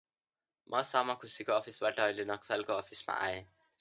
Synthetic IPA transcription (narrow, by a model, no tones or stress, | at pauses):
mʔʌsamãkʰʊsikoɔpʰisbaʈaʌilenʌksalkoɔpʰismã̰ʔa̰ẽ